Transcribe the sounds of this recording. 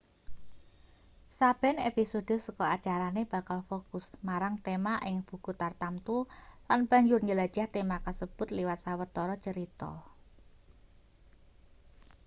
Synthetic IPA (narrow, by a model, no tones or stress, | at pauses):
sab̥ɛ̤nepisod̥o̤səkɔat͡ʃaɾaneb̥a̤kalfokʊsmaɾaŋt̪emaʔɪŋb̥ṳkut̪art̪amt̪ulanb̥a̤ɲd͡ʒʊrɲəlad̥ʒ̥aht̪emakasəb̥ʊ̤t̪liwat̪̚sawət̪ːɔɾɔt͡ʃəɾit̪ɔ̰